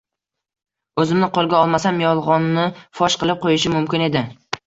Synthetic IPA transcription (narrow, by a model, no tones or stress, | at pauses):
ɵzɪmnɪqʰolˠɡʲaɒlˠmasamjɒlˠʁɒnːɪfɒʃqɨlˠɪp̚qʰojɪʃɪmʊmkʲɪne̞d̪ɪ